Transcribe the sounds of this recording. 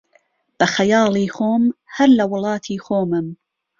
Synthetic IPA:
b̥ɐxɐjɑːlˠiːxoːmhɐɾlɐwʊlˠɑːt̪ʰiːxoːmɨm

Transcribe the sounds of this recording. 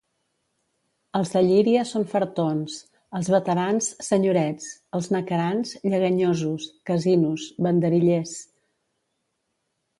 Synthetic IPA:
əlˠzðəʎiɾiəsonfəɾt̪ons | əlˠzβət̪əɾanssəɲuɾɛt͡səlˠznəkəɾanzʎəɣəɲozuskəzinusβənd̪əɾiʎes

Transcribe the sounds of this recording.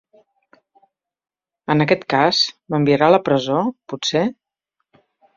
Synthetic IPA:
ənəkɛt̪kazməmbiəɾaləpɾəzopuse

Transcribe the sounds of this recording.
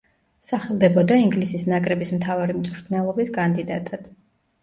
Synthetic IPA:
saχɛlˠd̪ɛbɔd̪aiŋɡlisisnakʼɾɛbismt̪ʰavaɾimt̪sʼɾt̪ʰnɛlˠɔbiskʼand̪id̪at̪ʼad̪̥

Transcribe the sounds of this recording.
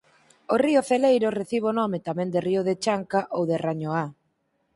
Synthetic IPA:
oriʊθelejɾoreθiβonɔmɪt̪amɛ̃ŋd̪eriʊðet͡ʃaŋkaʔowðeraɲoa

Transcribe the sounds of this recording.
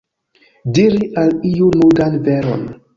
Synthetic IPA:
diɾiʔalijunudanveɾo̰n

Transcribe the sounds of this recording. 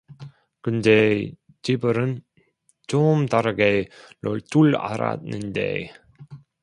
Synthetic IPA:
kɯnde̞ | t͡ɕibɯɾɯn | t͡ɕomtaɾɯɡenoɭt͈uɭa̰ɾa̰t̚nːɯnde̞̰

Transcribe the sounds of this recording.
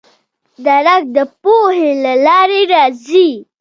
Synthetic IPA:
d̪aɾak̚d̪əpohelalɑɾeɾɑzi

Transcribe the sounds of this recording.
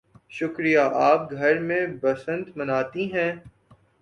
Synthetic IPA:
ʃʊkɾijaʔaːp̚ɡʱɐɾmẽbɐsə̃nt̪mɐnaːt̪iɦɛ̃ː

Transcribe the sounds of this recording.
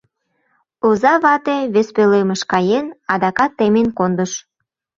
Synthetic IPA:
ozɑβɑt̪eβespelemə̆ʃkɑjenɑd̪ɑkɑt̪ːemenkond̪əʃ

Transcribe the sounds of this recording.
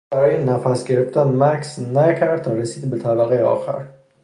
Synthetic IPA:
æɾɒːjenæfæsɡeɾeft̪ænmæksnækʰæɾd̪t̪ʰɒɾesiːd̪bet̪ʰæbæɣejeɒ̰ːxæ̰ɾ

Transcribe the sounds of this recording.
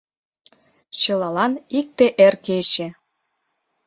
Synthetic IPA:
t͡ɕɤ̆lɑlɑnik̚t̪eʔerket͡ɕĕ

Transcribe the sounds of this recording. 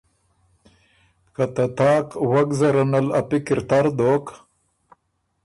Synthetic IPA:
kat̪ɐt̪aːkwaɡzɐɾɐnɐlɐpikiɾt̪aɾd̪oːk

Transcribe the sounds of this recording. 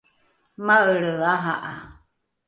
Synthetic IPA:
maəɺəaɦaʔa̰

